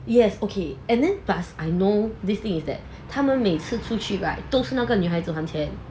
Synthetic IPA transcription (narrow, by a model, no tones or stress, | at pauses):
jɛsokʰeɛ̃ndɛ̃nbasʔajnodist̪ĩŋisdɛ̰t̚ | tʰamə̃nmet͡sʰɨtʰut͡ʃʰyɹaɪt̚d̥̪osɨnakənyɦaɪtoɦãmtʰɛ̃n